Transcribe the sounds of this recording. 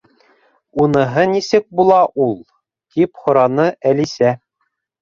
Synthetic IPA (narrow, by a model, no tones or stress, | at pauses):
unɤ̆ɦɤnisɘk̚bulˠɑʔulˠ | t̪iphŏɾɑnɤʔælisæ